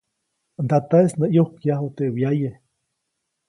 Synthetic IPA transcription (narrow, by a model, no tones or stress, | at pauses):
nd̪at̪aesnəʔjohkjahut̪ewjaje